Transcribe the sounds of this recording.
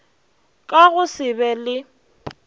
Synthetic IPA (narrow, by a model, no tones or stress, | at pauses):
kʼaɣʊsɪbɛlɪ